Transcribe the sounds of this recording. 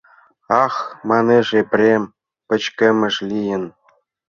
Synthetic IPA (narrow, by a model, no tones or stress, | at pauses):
ɑxmɑneʐepʲrʲem | pɘ̆t͡ɕkʲĕmʲɘ̆ʂlʲijɘ̆n